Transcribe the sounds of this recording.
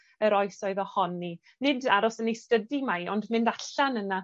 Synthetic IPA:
əɾɔɨsɔɨðɔhɔnːi | nɪdaɾɔsənistədimajɔndmɪndaɬanəna

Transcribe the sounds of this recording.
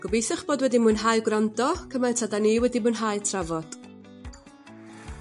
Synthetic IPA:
ɡ̥ɔbejθɪχb̥oːdwɛdimunɦajɡwrandɔkʰəmantʰadaniːwɛdimuːnɦaɨtʰravɔd̥

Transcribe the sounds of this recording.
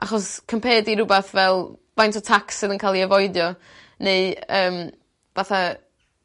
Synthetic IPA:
ʔaχɔskʰəmpʰɛːdiɾʊbaθvɛlˠvajntʰɔtʰaksɨðənkʰaːlˠiɛvɔɨdjɔ | neɨəːm | vaθa

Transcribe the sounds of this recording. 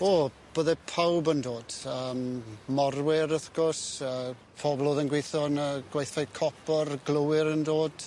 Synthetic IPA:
oː | b̥əːðɛpʰawbəndoːd̥əːmmɔrwɪɾəθɡ̥ɔsəː | pʰɔblˠoːðənɡwejθɔnəɡ̥wajθajkʰɔpʰɔrɡlˠəwɪɾəndoːd̥

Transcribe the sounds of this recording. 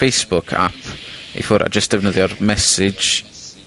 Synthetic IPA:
ejsb̥ʊkʰa̰pʰḭfʊɾʔa̰d͡ʒəsd̥ɛvnəðjɔrmɛsɪ̥d͡ʒ

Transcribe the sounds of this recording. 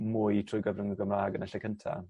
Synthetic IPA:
mʊːjtʰrʊːjɡəvrəŋəɡəmaːɡənaɬɛkʰəntʰa̰

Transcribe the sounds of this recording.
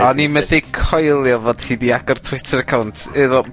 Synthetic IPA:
ɔnimɛθejkʰɔjlˠjɔvoːd̥hiːdiaɡɔrtʰwɪtʰəɾəkʰawntʰɨðɔ

